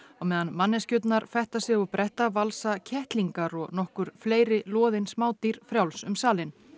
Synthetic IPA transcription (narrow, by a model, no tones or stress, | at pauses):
ɔɣmɛːðanmanːɪscʏt̪naɾfɛht̪asjɛɣʏpɾʔɛht̪avalsacʰɛht̪liŋkaɾɔɣnɔhkʏɾ̥fleːjɾɪlɔːðɪnsmaːwt̪iɾ̥fɾjawlsʏmsaːlɪn